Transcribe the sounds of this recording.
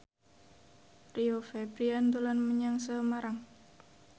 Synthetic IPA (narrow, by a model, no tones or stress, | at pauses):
riofɛbɾiant̪ulanməɲaŋsəmaɾaŋ